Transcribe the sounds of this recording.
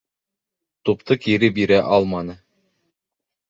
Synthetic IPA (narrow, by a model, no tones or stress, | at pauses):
t̪upt̪ɤkiɾɘbiɾæʔɑlˠmɑnɤ